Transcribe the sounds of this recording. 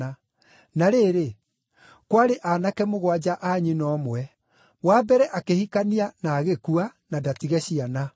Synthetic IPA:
a | naɾeːɾe | kwaɾeʔaːnakɛmoɣwad͡ʑaʔaɲinɔmwɛ | wabɛɾɛʔakehikanianaːɣekuanadatiɣɛɕiana

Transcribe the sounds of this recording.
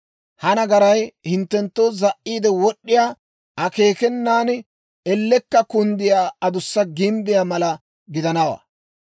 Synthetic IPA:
hɐnɐɡɐɾɐjhɪnt̪ːɛnt̪ːoːzɐʔːiːd̪ɛwɔɗːɪjaː | ʔɐke̞ːkɛnːaːn | ɛlːɛkːɐkʊnd̪ɪjaːɐd̪ʊsːɐɡɪmbɪjamɐlɐ | ɡɪd̪ɐnɐwɐ̰ː

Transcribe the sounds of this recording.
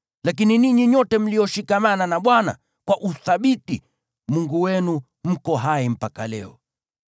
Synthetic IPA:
lakininiɲiɲɔtɛm̩lijɔʃikamananaɓwana̰ | kwaʔuθaɓiti | muŋɡuwɛnu | m̩kɔɦaim̩pakalɛɔ

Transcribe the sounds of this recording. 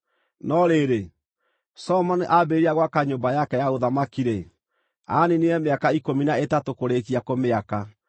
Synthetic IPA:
nɔɾeɾe | sɔmɔneʔabeɾiaɣwakaɲombajakɛjaoðamakiɾe | aneneɛmeakaikominaetatokoɾekiakomeaka

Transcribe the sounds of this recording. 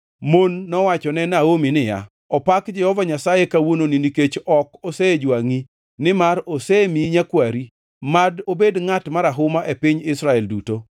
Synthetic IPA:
monːɔwat͡ʃɔnɛnaominɪja̰ | ɔpakd͡ʒɛhɔvaɲasajekawononiniket͡ʃɔkɔsed͡ʒwaŋi | nɪmaɾosemiɲakwaɾi | madobedŋatmaɾaɦʊmaʔepɪɲɪsɾaɛlduto

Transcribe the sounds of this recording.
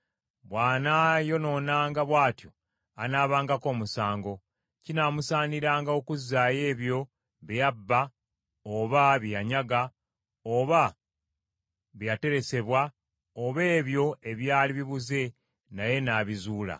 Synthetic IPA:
βwaːnajo̞no̞ːnaːŋɡaβwaːtjo̞ | anaːβaːŋɡako̞ːmusaːŋɡo̞ | cinaːmusaːniɾaːŋɡaokuzːaːje̞ːβjo̞ | βejabːa | oβaβjjaɲaɡa | oβa | βjjate̞ɾe̞se̞βwa | oβe̞ːβjo̞e̞βjaːliβiβuze̞ | naje̞naːβizuːla̰

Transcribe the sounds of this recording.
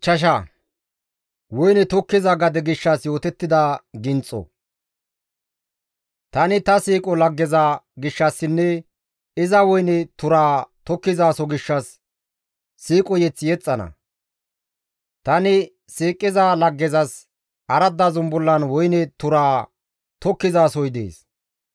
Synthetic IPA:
t͡ʃɐʃ̬ɐ | wɔjnɛt̪ɔkːɪzɐɡɐd̪ɛɡɪʃːɐsjo̞ːt̪ɛt̪ːɪd̪ɐɡɪnt͡sʼɔ̰ | t̪ɐnɪt̪ɐsiːkʼɔlɐɡːɛzaɡɪʃːɐsːɪnːɛ | ɪzɐwɔjnɛt̪ʊɾaːt̪ɔkːɪzaːsɔɡɪʃːɐs | iːkʼɔjɛt͡sːɪjɛt͡sʼːɐnɐ̰ | t̪ɐnɪ | siːkʼːɪzaːlɐɡːɛzɐs | ʔɐɾɐd̪ːazʊmbʊlːɐnwɔjnɛt̪ʊɾaː | t̪ɔkːɪzaːsɔjd̪ḛːs

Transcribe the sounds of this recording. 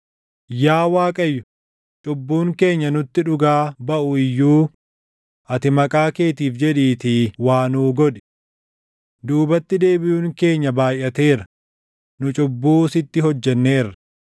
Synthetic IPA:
jaːwaːkʼɐjːʊ | t͡ʃʼʊbːuːŋke̞ːɲːɐnʊt̪ːɪᶑʊɡaːbɐʔʊɪjːuː | ʔɐt̪ɪmɐkʼaːke̞ːt̪iːfd͡ʒɛᶑiːt̪ɪwaːnuːɡɔᶑɪ̥ | d̪uːbɐt̪ːɪd̪e̞ːbɪjuːŋke̞ːɲːɐbaːjʔːɐt̪e̞ːɾɐ̥ | nʊt͡ʃʼʊbːuːsɪt̪ːɪɦɔd͡ʒːɛnːe̞ːrːɐ

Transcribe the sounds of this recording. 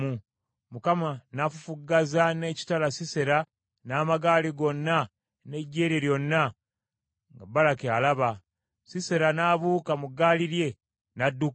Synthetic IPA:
u | mukamanafufuɡazane̞ːci̥talasise̞ɾa | naːmaɡaːliɡo̞nːa | ne̞ɟːe̞ːɾeɾjo̞nːa | ŋɡabːalakealaβa | sise̞ɾanaːβuːkamuɡːaːliɾje̞ | nadːu

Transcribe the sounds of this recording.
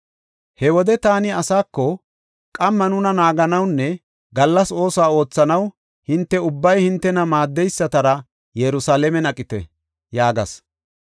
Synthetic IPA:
hɛwɔd̪ɛt̪aːnɪɐsaːkːɔ | kʼɐmːɐnʊnɐnaːɡɐnɐwnːɛ | ɡɐlːɐso̞ːsaːo̞ːt͡sːɐnɐw | hɪnt̪ːɛʊbːɐjhɪnt̪ːɛnɐmaːd̪ːɛjsːɐt̪ɐɾɐ | jɛɾʊsaːlɛmɛnɐkʼːɪt̪ɛ̰ | jaːɡɐ̰s

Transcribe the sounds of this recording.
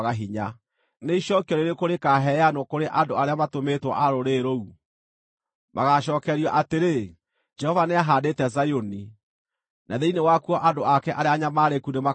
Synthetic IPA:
ɣaɦiɲa | neiɕɔkiɔɾeɾekoɾekaɦɛanokoɾeʔadoaɾeamatometwɔ̰ʔaɾoɾeɾou | mʔa̰ɣaɕɔːkɛɾiaʔateɾe | d͡ʒɛhɔvaneaɦaːdetɛzajoni | naðeinewakuɔʔadoakɛʔaɾeaɲamaɾekunema

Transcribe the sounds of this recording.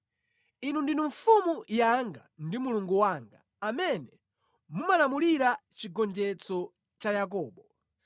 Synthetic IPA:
inundinuɱfumujaŋɡa̰ndimuluŋɡuwaŋɡaːmɛnɛ | mumalamuliɾat͡ʃiɡɔnd͡ʒɛt͡sɔ | t͡ʃajak̬ɔːɓɔ

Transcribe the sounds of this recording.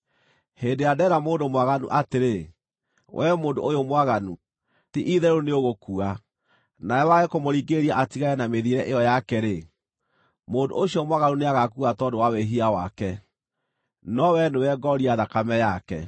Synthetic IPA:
hendeadɛɾamoːndomwaɣanṵʔateɾe | wʔɛ̰moːndoojomwaɣanu | tiʔiðɛɾoneoɣokua | najɛwaɣekomoɾiɡeɾiaʔatiɣaɛnameðiɾɛʔejɔjakɛɾe | moːndo̰oɕiɔmwaɣanuneaɣakuatɔdowaweɦiawa̰kɛ | nɔwɛnewɛɡɔɾiaðakamɛjakɛ̰

